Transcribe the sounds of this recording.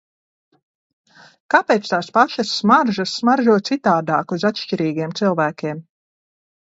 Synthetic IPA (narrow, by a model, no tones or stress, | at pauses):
kapeːt̪st̪aːspaʃasːmaɾʒasːmaɾʒuɔt̪sit̪aːd̪aːkuzat̪ʃt͡ʃiɾiːɡiɛmt̪silˠvæːkʲiɛm